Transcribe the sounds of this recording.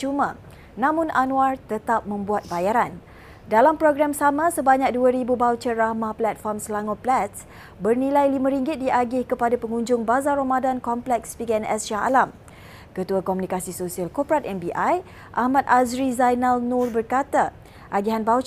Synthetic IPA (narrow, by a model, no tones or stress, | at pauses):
t͡ʃumã | nãmʊ̃nʔanũart̪ət̪ap̚mə̃mbuat̪̚bajaɾan | dalampɾoɡɾamsamãsəbaɲak̚duaɾibubawt͡ʃəɾahmahplɛt̪̚fɔrmsəlaŋoplɛt̪s | bərnĩlajlimãɾiŋɡɪt̪̚diʔaɡɪhkəpadapəŋuɲd͡ʒʊŋbazaɾamadankɔmplɛkspikɛnɛ̰sʃaɦa̰lam | kət̪uakomunĩkasisosialkopəɾat̪̚ɛnbiʔaj | ʔahmãt̪̚azɾizajnalnʊrbərkat̪a | ʔaɡiɦanbawt͡ʃ